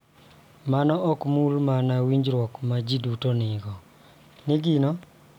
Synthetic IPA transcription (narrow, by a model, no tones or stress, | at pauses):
manɔɔkmulmanawiɲd͡ʒɾwɔkmad͡ʒidutonɪɡɔ | nɪɡɪnɔ